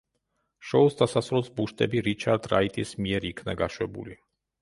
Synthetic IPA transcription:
ʃɔusd̪asasɾɔsbuʃt̪ʼɛbiɾit͡ʃʰaɾd̪ɾait̪ʼismiɛɾikʰnaɡaʃwɛbṵli

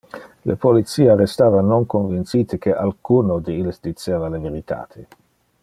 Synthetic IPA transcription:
lḛpolit̪siːaɾest̪aːvanoŋkonvint̪sit̪ekeʔalkunod̪eilsd̪it͡ʃeːvaleveɾit̪ʰa̰ːt̪ʰe

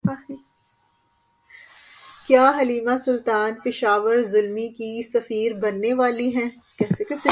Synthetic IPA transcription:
aːi | kjaːɦɐliːmasʊlt̪aːnpɪʃaːʋəɾzʊlmikisɐfiːɾbɐnːeʋaːliɦɛ̃ː | kɛːsekɛse

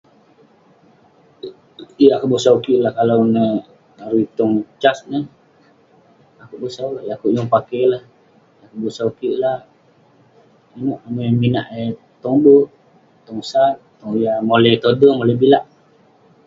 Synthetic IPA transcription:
jakuʔbusaukiʔlahkalawnə | aɾit̪ɔŋt͡ʃasnə | akuʔbusaaʔjakuʔjuŋpakejlah | jakuʔbusaukiʔlah | anoʔaməmina̰ʔ | t̪ɔŋbuʔ | t̪ɔŋsat̪ː | ɔŋjamolɛjt̪odəmoləbilaʔ

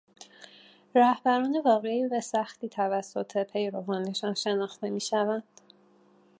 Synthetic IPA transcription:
ɾæhbæɾɒːne̞vɒːɣe̞iːvæsæxt̪iːt̪ʰævæsːo̞t̪ʰe̞pʰe̞jɾo̞vɒːneʃɒːnʃe̞nɒːxt̪e̞miːʃævænd̪̥

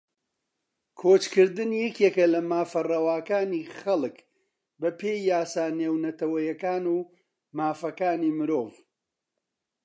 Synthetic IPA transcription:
kʰoːt͡ʃkɨɾd̪ɨnjɛkjekɐlɐmaːfɐrɐwaːkaːniːχɐlˠɨk | bɐpʰeːjːaːsaːneːwnɐt̪ɐwɐjɐkaːnuː | maːfɐkaːnimɨɾoːv

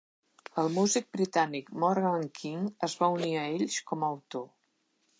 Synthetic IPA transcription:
əlˠmuzik̚bɾit̪anikmɔraŋkʰiŋəzβauniəeʎʃkɔməwt̪o

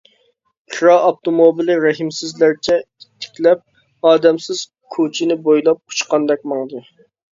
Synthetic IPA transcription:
qʰɾɑɑp̚t̪omobilˠɪɾɛɦimsɪzlæɾt͡ʃʰɛ | i̥t̪ʰːɪ̥kʲlɛp̚ | ɑːd̪ɛmsɪz̥ | kʰot͡ʃʰinɪbojlˠɑp̚ʰu̥t͡ʃqɑnd̪ɛk̚ʲmɑŋd̪ɨ

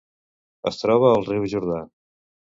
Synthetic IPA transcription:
ə̰st̪ɾɔβəːlˠriwʒuɾða

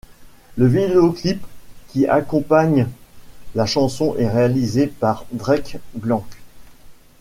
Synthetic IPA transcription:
ləvid̪eoklipkʲiʔa̰kɔ̃paɲ | laʃɑ̃sɔ̃ʔɛʁealizepaʁd̪ʁɛkblɑ̃

